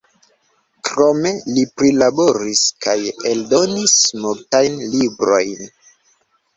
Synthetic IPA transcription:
kɾo̞me̞lipɾilabo̞ɾiskajeldo̞nismuɾtajnlibɾo̞jn

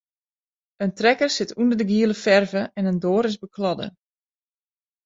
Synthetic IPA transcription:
əntrɛkərsɪtʰundərdəɡiəlˠəfɛrvəʔɛnəndoːɾɪsbəkʰlɔdə̰

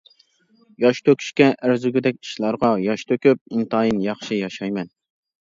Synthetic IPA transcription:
jɑʃt̪ʰøkʲʰy̥ʃkʲɛʔæɾzyɡʲɪd̪ɛk̚ʲi̥ʃlˠɑɾʁɑjɑʃt̪ʰøkʲyp̚int̪ɑjinjɑχʃijɑʃɑjmɛn

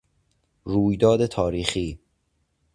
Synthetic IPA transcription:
ɾuːjd̪ɒːd̪et̪ʰɒːɾiːxiː

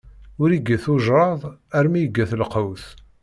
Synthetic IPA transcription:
ʊɾiɡːæθuʒɾˤɑðˤæɾmijəɡːæθlqəwθ

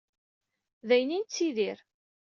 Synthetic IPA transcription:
ðæjnint͡sːiðiɾ

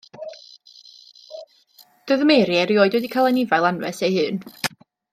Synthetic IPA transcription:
d̥əðəmejɾjɛɾioːɨdwɛdikʰalˠɛnɪvalˠanvɛsejhɨːn

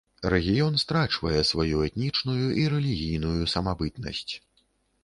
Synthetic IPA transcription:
rɛɣʲijɔnst̪ɾat͡ʂvɐjɛsvajuɛt̪nʲit͡ʂnujuʔiɾɛlʲiɣʲijnujusɐmabɨt̪nɐ̰sʲt͡sʲ

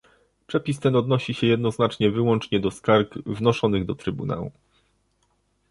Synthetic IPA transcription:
pʂɛpʲist̪ɛnɔd̪nɔɕiɕɛjɛd̪nɔznat͡ʂɲɛvɘwɔnt͡ʂɲɛd̪ɔskaɾɡvnɔʂɔnɘɣd̪ɔt̪ɾɘbuna̰wṵ

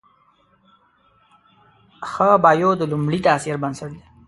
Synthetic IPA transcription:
xəbɑːjod̪əlʊmɽit̪asiɾbansaɽd̪e

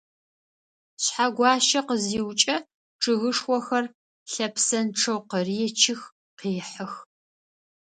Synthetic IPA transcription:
ɕħaɡʷɑːʃɐqəziːwt͡ʃʼɐ | ʈ͡ʂʰɨɣɨʂwʷɔxɐr | ɬɐpʰsɐnʈ͡ʂʰɐwqəriɛt͡ʃʰɪx | qiːħəx

